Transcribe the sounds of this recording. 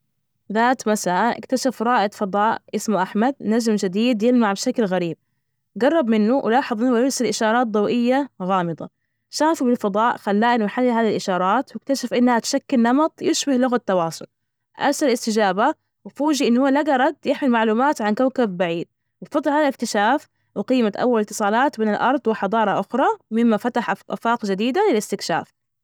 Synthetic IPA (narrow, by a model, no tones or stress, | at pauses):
ðaːt̪masaːʔʔɪ̰kt̪aʃafɾˤɑːʔɪd̪fɑd̪ˤɑːʔʔɪsmʔaħmad̪̚nad͡ʒmd͡ʒɪd̪iːd̪jɪlmaʕbʃaklɣaɾiːb̚ | ɡɑrˤːɑbmɪnːuwʔɪ̰lɑːħɑðˤmɪnːwjɪɾsalʔɪʃɑːɾˤɑːt̪̚d̪ˤɑwʔɪjːaɣɑːmɨd̪ˤɑ̰ | ʃaːfubɪlfɑd̪ˤɑːʔxalːaːʔɪlmaħalːaɦaːðilʔɪʃɑːɾˤɑːt̪wɪkt̪aʃafʔɪnːhat̪ʃakːɪlnɑmɑt̪ˤjɪʃbahlʊɣat̪ːɑwɑːsˤʊl | ʔa̰ɾsalɪst̪ɪd͡ʒaːba | wɪfuːd͡ʒiʔɪnːhʊːalaɡɑɾˤɑd̪jɪħmɪlmaʕluːmaːt̪ʕankawkabbaʕiːd̪̚ | wɪfɑd̪ˤːlhaːðalɪk̚t̪ɪʃaːf | wɪqiːmat̪ʔa̰wːalɪt̪ːɨsˤɑːlɑːt̪beːnɪlʔɑɾˤd̪ˤwɪħɑd̪ˤɑːɾˤɑʔʊxɾˤɑmɪmːafat̪aħʔʔa̰fɑːqd͡ʒad̪iːd̪alɪlɪst̪ɪkʃa̰ːf